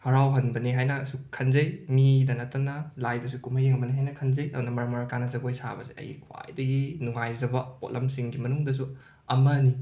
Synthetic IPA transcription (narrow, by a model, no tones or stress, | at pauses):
hɐɾawɦɐnbɐniɦajnɐːsukʰɐnzɐjmidɐnɐtɐnɐlajdɐsukumajeŋɐbɐniɦajnɐkʰɐnzɐjɐdunɐmɐɾɐmɐɾɐkanɐzɐɡojsabɐza̰jɐ̰jkʰwa̰jdɐɡinuŋajzɐbɐpo̰t̚lʔɐmsiŋɡimɐnuŋdɐs̬u | ɐmɐni